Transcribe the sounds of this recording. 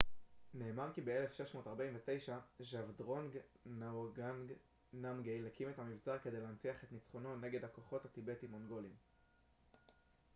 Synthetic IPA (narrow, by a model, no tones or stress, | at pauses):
ne̞ːmaʁkibe̞ele̞fʃe̞ʃmo̞ːtaʁbaiɱvete̞jʃaʒavdʁo̞nɡnɡan | namɡejlekimethamivt͡saʁke̞de̞jleːnt͡siaχe̞t̪nit͡sχo̞no̞ne̞ɡe̞d̪hako̞χo̞thatibe̞timo̞nɡo̞lim